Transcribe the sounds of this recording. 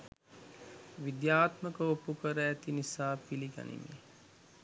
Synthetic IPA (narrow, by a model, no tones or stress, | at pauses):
ʋid̪jaːt̪məkəopukəɾəæt̪inisaːpiliɡa̰nḭmḭ